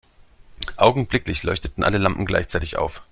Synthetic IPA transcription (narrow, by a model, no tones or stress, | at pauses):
ʔaʊɡŋ̩blɪklɪçlɔʏçtətn̩ʔa̰ləlampm̩ɡla̰ɪçt͡saɪtɪçʔa̰ʊf